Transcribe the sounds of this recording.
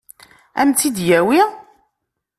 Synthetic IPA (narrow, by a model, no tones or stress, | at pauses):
æ̰mt͡s̪ːid̪jæwi